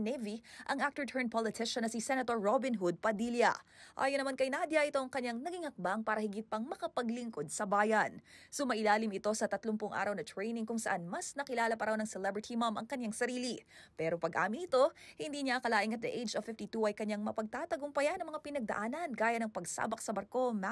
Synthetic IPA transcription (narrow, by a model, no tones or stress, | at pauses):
nɛviʔɐŋʔak̚t̪ɛɹt̪ʰɛɹnpʰolɪt̪ʰɪʃɐnːɐsisɛnɐt̪oɹːobɪnɦud̪̚pɐd̪iljɐ̰ʔa̰ːjonːɐmankɐjnad̪jɐʔɪt̪o̞ʔɐŋkɐɲːaŋnɐɡiŋhɐk̚baŋpaːɾɐhɪɡɪt̪̚pɐŋmɐkɐpɐɡlɪŋko̞d̪̚sɐbaːjɐnsomɐʔɪlaːlɪmɪt̪o̞sɐt̪ɐt̪lompʊŋʔa̰ːɾɐwnɐt̪ɹɛjnɪŋkʊŋsɐʔanmɐsnɐkɪlaːlɐpɐɾawnɐŋsɛlɛbɹɪt̪ʰimɐmʔɐ̰ŋkɐɲaŋsɐɾiːlipɛːɾo̞pɐɡʔa̰ːmɪnɪt̪o̞hɪnd̪iːɲakɐlaːʔɪŋɐt̪̚d̪ɐʔejd͡ʒovfɪft̪it̪uʔɐjkɐɲaŋmɐpɐɡ̚t̪at̪ɐɡʊmpɐjanɐŋmɐŋapɪnɐɡ̚d̪ɐ̰ʔaːnɐnɡaːjɐnɐŋpɐɡsa̰ːbɐk̚sɐbɐɾko̞ma